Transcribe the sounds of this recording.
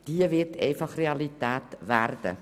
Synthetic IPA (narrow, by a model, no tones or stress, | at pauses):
d̥iəviətʰɛfɐχreɐlitæːtværdə̰